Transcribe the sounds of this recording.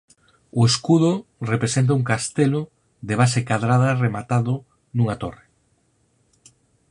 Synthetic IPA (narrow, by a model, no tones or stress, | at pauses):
ʊeskuðʊrepɾesent̪̬ɐuŋkast̪elʊ | ðeβ̞asekaðɾaðɐremat̪aðʊ | nuŋat̪ore